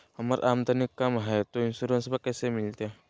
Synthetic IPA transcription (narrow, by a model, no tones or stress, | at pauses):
ɦɐmaɾʔaːmt̪ənikːamɦɛt̪oɪnsuɾənsbakɛːsemɪlt̪e